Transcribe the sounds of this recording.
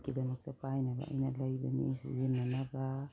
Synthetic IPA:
kidamak̚t̪apajnaba̰inalaibanḛsizenːanaɡa

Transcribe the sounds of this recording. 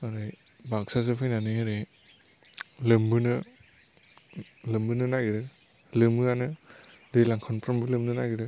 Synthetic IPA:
aɾɯjbak̚sazɯpʰɯjnanɯɦeɾe | lɯmbɯnɯ | lɯmbɯnɯnajɡɾɯ | lɯmɯanɯ | dejlaŋkʰanpʰɾɔmbɯlɯmnɯnajɡɯɾɯ

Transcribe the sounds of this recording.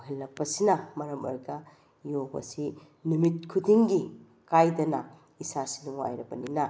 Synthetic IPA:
ɦelːɐk̚pɐsinɐmɐɾɐmɐ̰ɾɡɐ | jobɐ̰si | numit̚kʰudiŋɡi | kajdɐnɐ | isasi̥nuŋwa̰jɾɐbɐ̰ninɐ

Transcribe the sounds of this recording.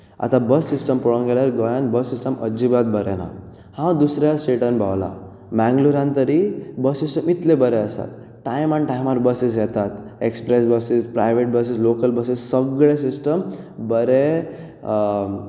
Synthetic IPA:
a̰t̪ãbəsːisʈəmpɔɭõnɡeɭjaɾɡɔjanbəsːisʈəmə̰d͡ʑibat̪̚bəɾɛna̰ | hãwd̪usɾjasʈeʈənbʱa̰ʋla̰ | mɛ̃ŋɡluɾãnt̪əɾibəsːisʈəmit̪lebəɾeəsa̰t̪ | ʈajmanʈajmaɾbəsis̬jɛt̪at̪ekspɾes̬bəsispɾajʋeʈ̚bəs̬islokəlbəsissəɡɭesisʈəmbəɾe

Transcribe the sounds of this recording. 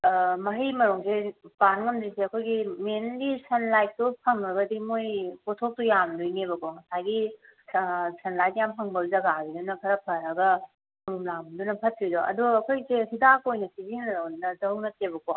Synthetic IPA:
mɐɦimɐɾuŋsepanŋɐmdiseɐkʰojɡimenɡisʰɐnlajt̚tupʰɐŋɾɐɡɐdimojpotʰok̚tujamdujnebɐkoŋɐsajɡi | sʰɐnlajtjampʰɐŋbɐzɐɡaɡidunɐpʰɐɾɐpʰɐɾɐɡɐ | mɐɾumlamdunɐpʰɐt̚ʰɾidoɐ̰duɡɐkʰojseɦidakojnɐsʰiziŋnɐɾɐwnnɐdɐwnɐt̚ebɐko

